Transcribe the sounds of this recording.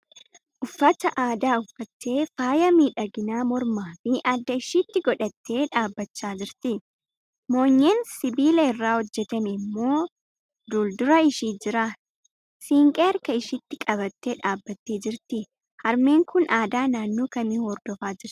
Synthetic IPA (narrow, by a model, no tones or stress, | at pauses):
ʔʊfːɐt̪ɐʔaːd̪aːʊfːɐt̪ːe̞ːfaːjɐmiːᶑɐɡɪnaːmɔɾmaːfiʔɐd̪ːɐɪʃit̪ːɪɡɔᶑɐt̪ːe̞ːᶑaːbːɐt͡ʃːaːd͡ʒɪɾt̪ɪ | mo̞ːɲːeːnsɪbiːlɛɪrːaːhɔd͡ʒːɛt̪ɐnɪmːo̞ː | d̪uːld̪ʊɾɐɪʃiːd͡ʒɪɾaː | siːŋkʼeːɐɾkɐɪʃɪt̪ːɪkʼɐβɐt̪ːeːᶑaːbːɐt̪ːeːd͡ʒɪɾt̪ɪ | hɐɾme̞ːŋkʰʊnʔaːd̪aːnaːnːoːkɐmɪhɔɾd̪ɔfaːd͡ʒɪɾt̪